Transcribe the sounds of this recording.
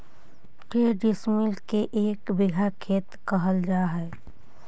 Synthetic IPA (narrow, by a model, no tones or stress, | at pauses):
ʈeːɖɪsmɪlkeʔeːkbɪɡʱakʰeːt̪kəɦəld͡ʒaːɦɛː